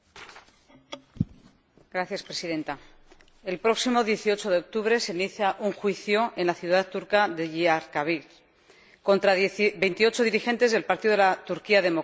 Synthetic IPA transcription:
ɡɾaθjaspɾe̞siðe̞nt̪a | e̞lpɾo̞ksimo̞ðje̞θio̞t͡ʃo̞ðe̞o̞k̚t̪uβɾe̞seiniθjaʔuŋxwiθjo̞e̞nlaθjuðaðt̪ːuɾkaðeʝiaɾkaβil | ko̞nt̪ɾabe̞jnt̪io̞t͡ʃo̞ðiɾixe̞nt̪e̞zðelpaɾt̪iðo̞elat̪uɾkiaðe̞mo̞

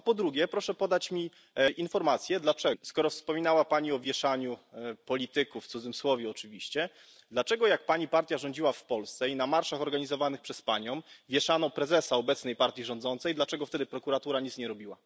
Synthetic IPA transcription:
apɔd̪ɾuɡʲjɛpɾɔʂɛpɔd̪at͡ɕmʲi | ʔinfɔɾmat̪sʲjɛd̪lat͡ʂɛskɔɾɔfspɔmʲinawapaɲiɔvʲjɛʂaɲupɔlʲit̪ɘkuft̪sud̪zɘmswɔvʲjɛɔt͡ʂɘvʲiɕt͡ɕɛ | d̪lat͡ʂɛɡɔjak̚paɲipaɾt̪ʲjaʐɔɲd͡ʑiwafpɔlst̪sɛinamaɾʂaxɔɾɡaɲizɔvanɘxpʂɛspaɲɔ̃w̃vʲjɛʂanɔpɾɛzɛsaɔbɛt̪snɛjpaɾt̪ʲjiʐɔ̃nd̪zɔnt̪sɛjd̪lat͡ʂɛɡɔft̪ɛd̪ɘpɾɔkuɾat̪uɾaɲit̪sɲɛɾɔbʲiwa

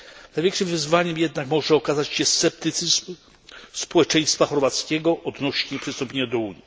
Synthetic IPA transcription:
najvʲjɛ̃ŋkʂɘmvɘzvaɲɛmjɛd̪̚nakmɔʐɛɔkazat͡ɕɕɛst̪sɛp̚t̪ɘt̪sɨzm | spɔwɛt͡ʂɛj̃st̪faxɔɾvat̪skʲɛɡɔʔɔd̪nɔɕɲɛpʂɛst̪ɔmpʲeɲad̪ɔuɲji

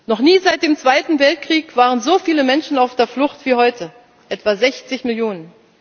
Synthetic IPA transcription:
nɔχniːzaɪt̚d̥eːmt͡sv̥aɪtn̩vɛlt̚kʁ̥iːkv̥aːʁənzoːfiːləmɛnʃn̩aʊfd̥eːɐflʊχtv̥iːhɔʏtʰə | ʔɛtv̥azɛçt͡sɪçmɪljoːnən

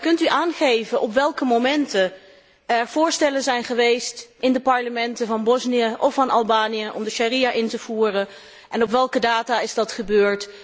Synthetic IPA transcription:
kɵntyʔaːnχejvəʔɔpʋɛlˠkəmomɛntə | ɛɹv̥ʊːɹstɛlənzɛjnχəʋejstʔɪndəpɑɹləmɛntəvɑnbɔznijəʔɔfɑnʔɑlˠbaːnijəʔɔ̰mdəʃarijaʔɪntəv̥uːrən | ʔɛnɔpʋɛlˠkədaːtaːɪzdɑtχəbøːɹt

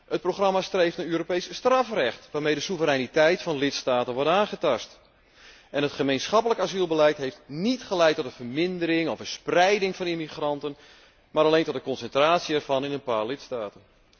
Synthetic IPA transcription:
ət̚proχrɑmastrejftnaːøːɾopejsstrɑfrɛxtʋaːrmejdəsuvəɾɛnitɛjtfɑnlɪtstaːtənʋɔɹtaːnχətɑst | ʔɛnətχəmejnsχɑpələkaːzilˠbəlɛjtɦejftnitχəlɛjtɔtdəvərmɪndəɾɪŋɔfəsprɛjdɪŋfɑnimiχrɑntən | maːɾalejntɔt̚dəkɔnsɛntraːtsiɛrv̥ɑnɪnənpaːɹlɪtstaːtən

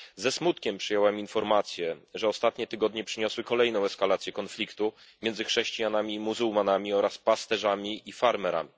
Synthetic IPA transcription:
zɛsmut̪kʲɛmpʂɘjɛwɛminfɔɾmat̪sʲjɛʐɛɔst̪at̪ɲɛt̪ɘɡɔd̪ɲɛpʂɘɲɔswɘkɔlɛjnɔ̃w̃ɛskalat̪sʲjɛkɔnflʲikt̪u | mʲjɛnzɘxʂɛɕt͡ɕijanamʲimuzuwmanamʲiɔɾaspast̪ɛʐamʲiʔifaɾmɛɾa̰mʲi

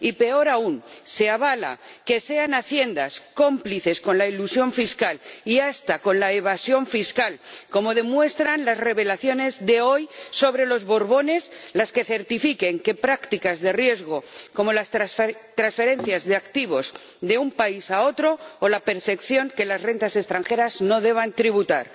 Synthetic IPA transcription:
ipe̞o̞ɾaunse̞aβ̞ala̰ke̞se̞anaθje̞nd̪asko̞mpliθe̞sko̞nlailusjo̞ɱfiskaliast̪ako̞nlaeβ̞asjo̞ɱfiskalko̞mo̞ðe̞mwe̞st̪ɾanlazre̞βe̞laθjo̞ne̞zðe̞o̞jso̞β̞ɾe̞lo̞zβo̞ɾβo̞ne̞slaske̞θe̞ɾt̪ifike̞ŋke̞pɾakt̪ikazðe̞rje̞zɣ̞o̞ko̞mo̞last̪ɾansfe̞ɾẽ̞n̟θjazðeakt̪iβ̞o̞s | ðe̞umpaisao̞t̪ɾo̞ːlape̞ɾθe̞kθjo̞ŋke̞lazre̞nt̪ase̞st̪ɾaŋxe̞ɾazno̞ðe̞β̞ant̪ɾiβ̞ut̪a̰ɾ

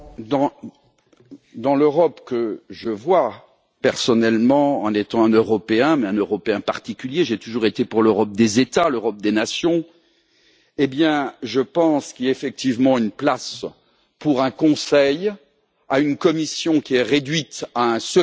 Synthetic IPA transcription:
d̪ɑ̃ | d̪ɑ̃løʁɔpkəʒəvwa | pɛʁsɔnɛlmɑ̃ɑ̰̃net̪ɑ̃ɛ̃nøʁɔpeɛ̃mɛɛ̃nøʁɔpeɛ̃paʁt̪ikʲyljeʒet̪uʒuʁet̪epuʁløʁɔp̚d̪ezet̪aløʁɔp̚d̪enasjɔ̃ | ebjɛ̃ʒəpɑ̃skʲiefɛk̚t̪ivmɑ̃ynplas | puʁɛ̃kɔ̃sɛj | aynkɔmisjɔ̃kʲiɛʁed̪ɥit̪aɛ̃sə

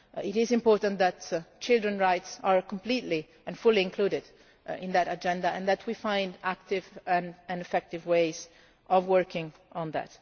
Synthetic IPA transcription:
ɪɾɪzɪ̃mpɔːɹt̪ãnðætt͡ʃɪlˠdɹə̃nɹaɪtsaɹkɔ̃mpliːtli | ɛ̃nfʊliɪ̃ŋkʰluːdɪd | ɪ̃nd̪æɾad͡ʒɛ̃ndaɛ̃nðætʰwifãj̃ndæk̚t̪ɪvɛ̃nɛ̃nɛfɛk̚tɪvweɪz | ʔɔvwɜɹkɪ̃ŋɔ̃nðæ̰t

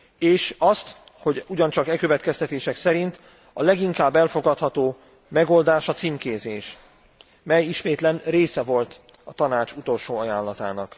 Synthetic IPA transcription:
eːʃɒst̪ | ho̞ɟuɟɒnt͡ʃɒkɛkø̞vɛt̪kɛst̪ɛt̪eːʃɛksɛɾint̪ | ɒ̰lɛɡiŋkaːbːɛlfo̞ɡɒt̪hɒt̪oː | mɛɡo̞ld̪aːʃɒt̪siːmkeːzeːʃ | mɛjiʃmeːt̪lɛnreːsɛvo̞lt̪ | ɒt̪ɒnaːt͡ʃut̪o̞lʃoːɒjaːlːɒt̪a̰ːnɒk

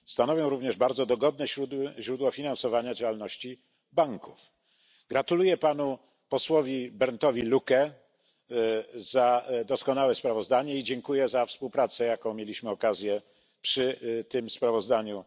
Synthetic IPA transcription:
st̪anɔvjɔ̃w̃ɾuvɲɛʐbaɾd̪zɔd̪ɔɡɔd̪nɛɕɾud̪ʑɾud̪wɔfʲinansɔvaɲad͡ʑawalnɔɕt͡ɕi | baŋkuf | ɡɾat̪ulujɛpanu | pɔswɔvʲjibɛɾnt̪ɔvʲilukɛ | zad̪ɔskɔnawɛspɾavɔzd̪aɲɛid͡ʑɛŋkujɛzafspuwpɾat̪sɛjakɔ̃w̃mʲjelʲiɕmɘɔkazʲjɛ | pʂɘt̪ɘmspɾavɔzd̪aɲu

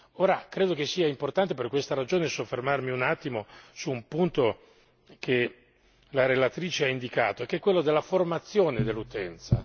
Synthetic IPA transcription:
oːɾakɾeːd̪okesːiːaimport̪ant̪ep̬erkwest̪aɾad͡ʒoːnesofːermarmiunat̪ːimosuːmpunt̪o | ke | laɾelat̪ɾiːt͡ʃeaind̪ika̰ːt̪oekːɛkːwelːod̪elːaformat̪sːjoːned̪elːut̪ɛnt̪sa̰

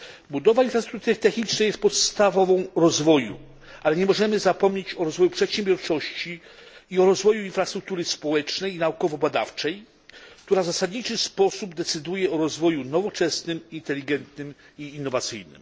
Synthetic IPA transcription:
bud̪ɔvainfɾast̪ɾuk̚t̪uɾɘt̪ɛxɲit͡ʂnajɛst̪̚pɔt̪st̪avɔvɔ̃w̃ɾɔzvɔjṵ | alɛɲɛmɔʐɛmɘzapɔmɲet͡ɕɔɾɔzvɔjupʂɛt̪ɕɛmbʲjɔɾt͡ʂɔɕt͡ɕi | iɔɾɔzvɔjuinfɾast̪ɾuk̚t̪uɾɘspɔwɛt͡ʂnɛjinaukɔvɔbad̪a̰ft͡ʂɛj | kt̪uɾavzasad̪ɲit͡ʂɘspɔsubd̪ɛt̪sɘd̪ujɛɔɾɔzvɔjunɔvɔt͡ʂɛsnɘmint̪ɛlʲiɡɛnt̪nɘmiːnːɔvat̪sɘ̰jnɘ̰m

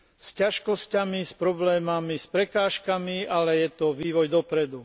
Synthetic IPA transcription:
scaʃkɔscamispɾɔblɛːmamispɾɛkaːʃkamiʔalɛjɛt̪ɔʋiːʋɔjd̪ɔpɾɛd̪u

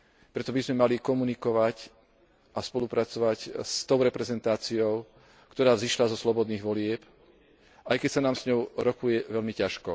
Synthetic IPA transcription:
pɾɛt̪ɔbizmɛmalikɔmunikɔʋac | ʔaspɔlupɾat͡sɔʋacst̪ɔʊɾɛpɾɛzɛnt̪aːt͡siɔʊ | kt̪ɔɾaːziʃlazɔslɔbɔd̪niːɣʋɔlɪɛp | ajkɛcsanaːmz̥ɲɔʊɾɔkujɛʋɛlmicaʃkɔ

